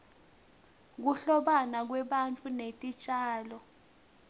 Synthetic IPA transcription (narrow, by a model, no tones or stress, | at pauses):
k̬uɬɔɓanak̬wɛɓant͡fʰunetʼit͡ʃʼaːlɔ